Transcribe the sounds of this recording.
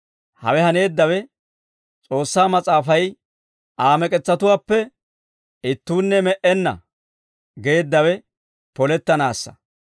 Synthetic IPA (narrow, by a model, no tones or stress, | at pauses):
hɐ̰wɛhɐne̞ːd̪ːɐwɛ | t͡sʼo̞ːsːaːmɐt͡sʼaːfɐj | ʔaːmɛkʼɛt͡sːɐt̪ʊwaːpːɛ | ɪt̪ːuːnːɛmɛʔɛnːɐ̰ | ɡe̞ːd̪ːɐwɛ | pɔlɛt̪ːɐnaːsːɐ̥̰